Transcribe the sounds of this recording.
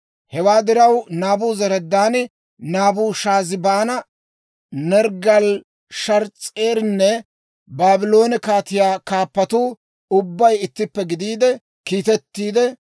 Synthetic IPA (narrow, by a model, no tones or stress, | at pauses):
hɛwaːd̪ɪɾɐwnaːbuːzɛɾɛd̪ːaːn | naːbuːʃaːzɪbaːnɐ | nɛɾɡɐl | ʃɐɾt͡sʼeːɾnːɛ | baːbɪlo̞ːnɛkaːt̪ɪjaːkaːpːɐt̪uː | ʊbːɐjɪt̪ːɪpːɛɡɪd̪iːd̪ɛ | kiːt̪ɛt̪ːiːd̪ɛ